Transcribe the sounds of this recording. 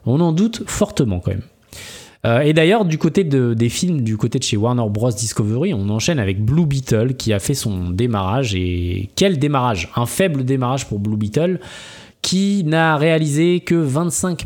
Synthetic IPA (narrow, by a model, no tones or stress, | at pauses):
ɔ̃nɑ̃d̪ut̪fɔʁt̪əmɑ̃kɑ̰̃mɛ̰m | øed̪ajœʁd̪ykot̪ed̪əd̪efilmd̪ykot̪ed̪əʃewaʁnœʁbʁɔsd̪iskovøʁiɔ̃nɑ̃ʃɛnavɛk̚blubit̪œlkʲiafɛsɔ̃d̪emaʁaʒḛkʲɛld̪emaʁaʒɛ̃fɛbləd̪emaʁaʒpuʁblubit̪œl | kʲʰinaʁealizekʲəvɛ̃t̪sɛ̃k